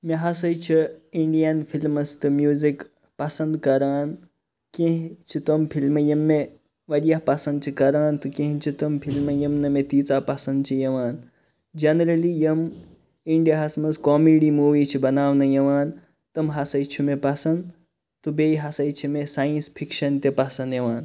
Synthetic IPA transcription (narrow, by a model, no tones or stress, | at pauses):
meɦɐsɐjt͡ʃʰiiɳɖijɐnpʰilmɐst̪ɨmjuːzik | pɐsɐnd̪kɐɾaːn | kẽɦĩt͡ʃʰit̪ompʰilmɐjɐmːe | ʋɐɾjapɐsɐnd̪̚t͡ʃʰikɐɾaːnt̪ukẽɦĩt͡ʃʰit̪ɐmpʰilmɐjɐmnɐmẽt̪iːt͡saːpɐsɐnd̪̚t͡ʃʰijɐʋaːn | d͡ʒɐnɐɾɐlijɐm | iɳɖijaɦɐsmɐskɔːmeɖimuːʋiːt͡ʃʰibɐnaːʋnɐjɐʋaːn | t̪ɐmɦɐsɐjt͡ʃʰumepɐsɐnd̪ | t̪ubejɦɐsɐjt͡ʃʰimesaːjinspʰikʃɐnt̪epɐsɐnd̪jɐʋaːn